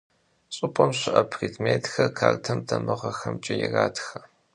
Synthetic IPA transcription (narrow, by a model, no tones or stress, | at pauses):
t͡sʼʊpʰʼɐmɕɪʔɐpʰriːdmeːtxɐrkʰaːrtʰɐmdʰɐmɨʁɐxɐmt͡ʃʼɪjɛraːtxɐ